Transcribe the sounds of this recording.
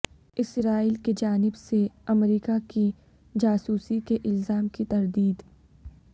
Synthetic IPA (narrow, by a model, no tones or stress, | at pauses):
ɪsɾaːiːlked͡ʒaːnɪbseɐmɾiːkaki | d͡ʒaːsuːsikeʔɪlzaːmkit̪ɐɾd̪iːd̪